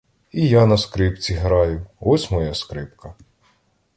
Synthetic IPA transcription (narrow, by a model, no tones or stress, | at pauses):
ijanɐskɾɪpt͡sʲiɦɾɑjʊɔsʲmɔjaskɾɪpkɐ